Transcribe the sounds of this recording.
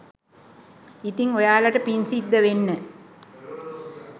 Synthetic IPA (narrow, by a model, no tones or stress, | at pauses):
it̪iŋojaːlɐʈɐpinsiːd̪ːəʋenːə